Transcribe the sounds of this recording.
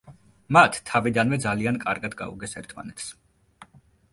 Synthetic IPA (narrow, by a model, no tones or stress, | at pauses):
mat̪ʰːavid̪anvɛd̪zaliankʼaɾɡad̪ɡa̰ṵɡɛsɛɾt̪ʰma̰nɛt̪ʰs